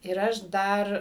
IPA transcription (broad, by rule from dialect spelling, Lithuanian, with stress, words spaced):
ɪr ˈɐʃ ˈdɐr